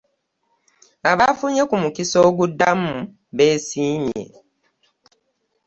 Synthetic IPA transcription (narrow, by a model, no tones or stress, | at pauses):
aβafuɲekumukiso̞ːɡudːamu | βe̞ːsiːɲḛ